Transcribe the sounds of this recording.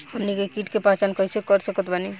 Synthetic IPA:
ənnːikekiʈkepat͡ʃankəɦisekəɾsəkət̪bani

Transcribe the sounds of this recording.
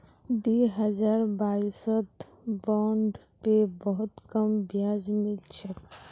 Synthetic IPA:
d̪iːɦəd͡ʒaːɾbaːɪsət̪ | bɔːɳɖ | pebɔɦʊt̪kəmbjaːd͡ʒmɪlt͡ʃək

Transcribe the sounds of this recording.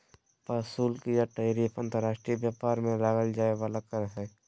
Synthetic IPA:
paːsuːlkijaʈaːɾiːpʰə̃nt̪əɾaːʃʈɾibjaːpaːɾmẽlaːɡəld͡ʒaːeʋaːlakəɾɦɛː

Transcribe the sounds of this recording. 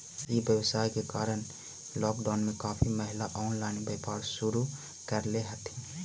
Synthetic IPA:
ibjəwsaːikekaːɾən | lɔːkɖaːnmẽkaːpʰiməɦɪlaʔɔːnlaːɪnbeːpaːɾsʊɾu | kəɾleɦət̪ĩ

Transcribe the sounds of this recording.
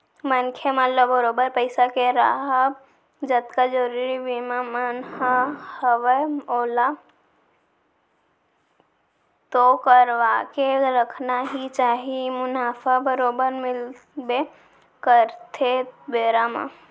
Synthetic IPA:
mənkʰemələbəɾoːbəɾpəɪsakeɾa̰ɦa | d͡ʒət̪kad͡ʒəɾuɾibimamənɦahəʋəoːla | t̪okəɾʋakeɾəkʰnaɦit͡ʃaːɦimʊnaːfabəɾoːbəɾmɪl | be | kəɾt̪ʰebeːɾamã̰

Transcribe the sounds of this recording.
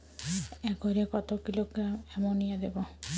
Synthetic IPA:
ɛɡɔɾekɔt̪ɔkilokɛmɔnijad̪ebɔ

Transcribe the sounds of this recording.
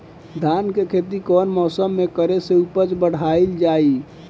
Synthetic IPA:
d̪ʱankekʰet̪ikɔnmɔːsəmːekəɾeseupət͡ʃbəɽ̤aild͡ʒai

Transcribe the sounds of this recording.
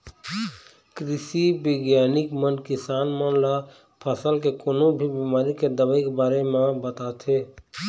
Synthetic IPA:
kɾɪʃibeɡjaːnɪkmənkɪsaːnmənla | pʰəsəlkekoːnõbʱibimaːɾiked̪əbəikebaːɾemãbət̪aːt̪ʰɦeː

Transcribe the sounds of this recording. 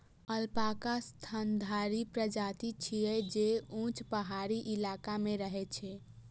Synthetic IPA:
əlpakast̪ʰənd̪ʱaɾipɾəd͡ʒat̪it͡ʃʰijɛd͡ʒeũt͡ʃpəɦaɾiʔilakameɾəɦɛt͡ʃʰɛ

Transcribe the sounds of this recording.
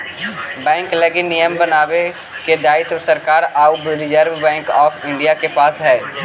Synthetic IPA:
bɛ̃ːŋkləɡinijəmbənaːʋe | ked̪aːɪt̪səɾkaːɾaːbɾɪd͡ʒəɾʋbɛ̃ːŋkɔːfʰɪ̃ɳɖijakepaːsɦɛː

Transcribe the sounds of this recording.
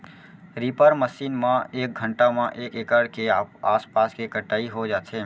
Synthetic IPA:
ɾipəɾməsiːnmãeːk̚ɡʱəɳʈamãʔeːkeːkəɽkeaːspaːskekəʈaːiɦod͡ʒaːt͡ʃʰe

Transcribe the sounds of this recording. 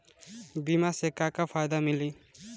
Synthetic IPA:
bimasekːakapʰajd̪amili

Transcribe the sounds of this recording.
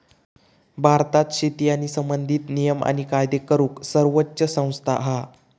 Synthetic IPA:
bʱaɾt̪at̪ɕit̪ijañisəmbənd̪ʱiːt̪nijəma̰ɽ̃ikajd̪ekəɾuːksəɾʋotːɕəsə̃w̃st̪ʰaʔɦa

